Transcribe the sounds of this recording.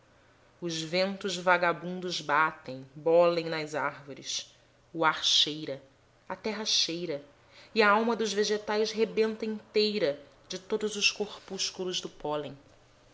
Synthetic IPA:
ʊzvẽnt̪ʊzvaɡabũnd̪ʊzbat̪ẽj̃bɔlẽj̃nɐzaɾvoɾɪ̰s | ʊaɾʃejɾɐ | ɐt̪ɛɦɐʃejɾɐ | ɪɐawmɐd̪ʊzveʒet̪ajsɦebẽnt̪ɐĩnt̪ejɾɐ | d͡ʒɪt̪od̪ʊzʊʃkoɾpuʃkulʊzd̪ʊpɔlẽj̃

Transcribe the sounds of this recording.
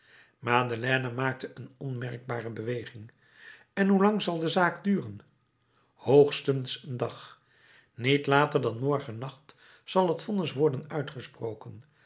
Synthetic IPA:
maːdəlɛːnamaːk̚təʔənɔnmɛrɡ̚baːrəbəʋejχɪŋ | ɛnɦulɑŋzɑlˠdəzaːkdyːrən | howχstənsəndɑχ | nitlaːtəɹdɑnmɔɹχənɑχt | sɑlˠɦətfɔnəsʋɔɹdənœɥtχəsprowkən

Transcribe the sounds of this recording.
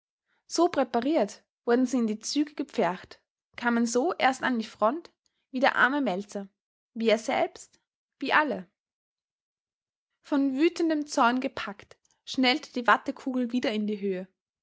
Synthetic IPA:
z̥oːpʁ̥ɛpaʁiːɐt | v̥ʊɐdn̩ziːɪndiːt͡syːɡəɡ̥əp͡fɛɐkt | kʰaːmənzoːʔḛːɐstandiːfʁ̥ɔnt | v̥iːdeːɐʔa̰ɐməmɛlt͡sɐ | viːeːɐz̥ɛ̰lpst | v̥iːʔalə | fɔnvyːtn̩dəmt͡sɔɐnɡəpʰakt | ʃnɛltə̥d̥iːvatəkʰuːɡl̩viːdɐɪndiːɦøːə

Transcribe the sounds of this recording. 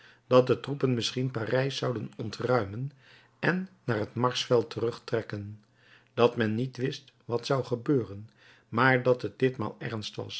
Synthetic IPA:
d̥ɑt̚dətrupənmɪsχinparɛjsɑwdənɔntrœɥmən | ɛnːaːɹɦətmɑɹsfɛlˠtərɵχtrɛkən | d̥ɑtmɛnːitʋɪst | ʋɑtsɑwχəbøːrən | maːɹdɑtɦət̚d̥ɪtma̰ːlˠɛ̰ɹnstʋɑ̰s

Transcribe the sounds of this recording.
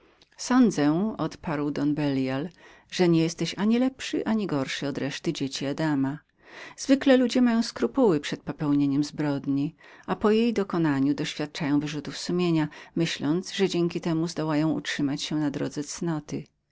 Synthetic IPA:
sɔnd̪zɛɔt̪paɾwd̪ɔnbɛljal | ʐɛɲejɛst̪ɛɕaɲilɛpʂɘ̰ʔaɲiɡɔɾʂɨɔd̪ɾɛʂt̪ɘd͡ʑet͡ɕiad̪ama | z̥vɘklɛlud͡ʑɛmajɔ̃w̃skɾupuwɘpʂɛt̪̚pɔpɛwɲeɲɛmzbɾɔd̪ɲiapɔjejd̪ɔkɔnaɲud̪ɔɕfʲjat̪̚t͡ʂajɔ̃w̃vɘʐut̪ufsumʲjeɲamɘɕlɔnd̪zʐɛd͡ʑɛŋkʲit̪ɛmuzd̪ɔwajɔ̃w̃ṵtʂɘmat͡ɕɕɛnad̪ɾɔ̰d̪zɛt̪snɔt̪ɘ

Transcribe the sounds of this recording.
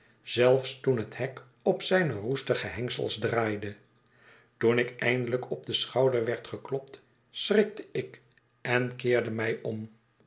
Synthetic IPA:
z̥ɛlˠfstunɦəthɛk | ɔpsɛjnərustəχəɦɛŋsə̰lˠzdraːjdə | tunɪkɛ̰jndələkɔb̚dəsχɑwdəɹʋɛɹtχəklɔp̚t | srɪk̚təɪk | ɛnkɪːɹdəmɛjɔm

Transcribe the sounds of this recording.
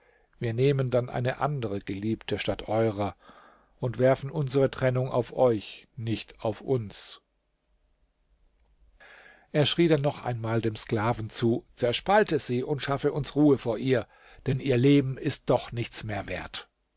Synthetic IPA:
viːɐneːməndanʔa̰ɪnəʔa̰ndəʁəɡ̥əliːptʰəʃtatʔɔʏʁɐ | ʔʊntv̥ɛɐfn̩ʔʊnzəʁətʁ̥ɛnʊŋa̰ʊfʔɔʏçnɪçtaʊfʔʊns | ʔeːɐʃʁ̥iːdanːɔχʔa̰ɪnmaːldeːmsklaːvn̩t͡suːt͡sɛɐʃpaltəz̥iːʔʊntʃafəʔʊnsʁuːəfoːɐʔiːɐ | d̥ɛnʔiːɐleːbm̩ɪst̚d̥ɔχnɪçt͡smeːɐveːɐt

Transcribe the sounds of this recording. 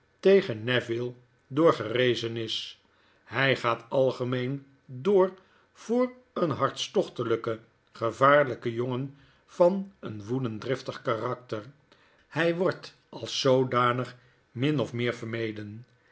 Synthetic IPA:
tejχənːɛvɪlˠ | dʊːɹχərejzənɪs | ɦɛjχaːtɑlˠχəmejn | dʊːɹ | v̥ʊːr | ənɦɑɹtstɔχtələkə | χəvaːɹləkəjoŋən | v̥ɑnənʋudəndrɪftəχkaːrɑk̚təɹ | hɛjʋɔɹt | ɑlˠsːowdaːnəχ | mɪnɔfmɪːɹvəɹmejdən

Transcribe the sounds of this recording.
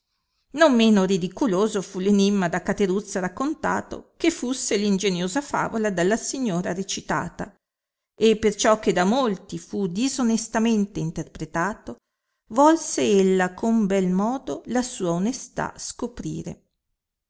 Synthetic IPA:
nomːeːnoɾid̪ikuloːzofulenimːad̪akːat̪eɾut̪sːaɾakːont̪a̰ːt̪o̰kefːusːelind͡ʒenjoːzafa̰ːvolad̪alːasiɲːoːɾaɾet͡ʃit̪a̰ːt̪a | ʔepːert͡ʃɔk̟ːed̪amolt̪ifud̪izonest̪ament̪eint̪erpɾet̪aːt̪o | vɔlseelːakʰombɛlmɔːd̪olasuːaonest̪a̰skopɾḭːɾḛ

